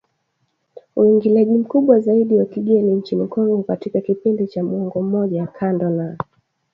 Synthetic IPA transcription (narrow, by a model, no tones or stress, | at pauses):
uiŋɡilaʄim̩kuɓwazaiɗiwakiɡɛniɲ̩t͡ʃim̩kɔŋɡɔkatikakipindit͡ʃamuɔŋɡɔm̩mɔʄajakʰandɔna